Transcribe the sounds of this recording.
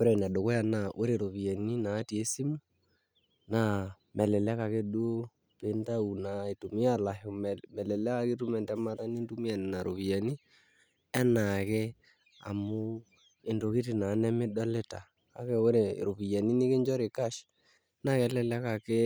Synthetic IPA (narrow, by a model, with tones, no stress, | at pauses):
o˦ɾɛ˨na˨do˨ko˦ja˨na˨ʔo˦ɾe˨ɾo˨βi˨a˨ni˦naː˨˦ti˨e˦si˦mu˦ | na˨ | mɛ˨lɛ˨lɛ˦ka˨ke˦do˦ | pe˨˦nta˦u˨na˨e˨to˨mi˦a˨la˨o˨mɛ˨lɛ˨lɛ˦ka˨ke˦tu˦mɛ˨ntɛ˦ma˦ta˦ni˦ntu˦mi˦a˨ni˨na˨ɾʔo̰˨βi˨ja˨ni˦ | ɛ˦na˨kɛ˦ | a̰˨mo˦ | e˨ndo˨ki˦ti˨na˨˦nɛ˦mɪ˦dɔ˦le˦ta̰ː˨ | kɛ˦o˦ɾe˨ɾo˨βi˨ja˨ni˦ni˦ke˦ɲd͡ʒɔ˦ɾe˨ka˦ʃ | na˨kɛ˨˦lɛ˦lɛ˦ka˨ke˦